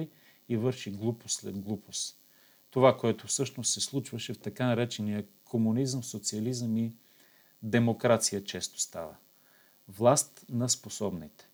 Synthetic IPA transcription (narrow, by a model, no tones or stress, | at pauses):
j | ivɤɾʃiɡlˠuposlɛ̰d̪ɡlˠupʰos | t̪ovakoɛt̪ofsɤʃnossɛslˠut͡ʃvəʃɛft̪ɐkanɐɾɛt͡ʃɛnijəkʰomunizəmsot̪siɐlizəmi | d̪ɛmokɾat̪sijət͡ʃɛst̪o̥st̪a̰və̰ | vlˠast̪nɐsposɔbnit̪ɛ̥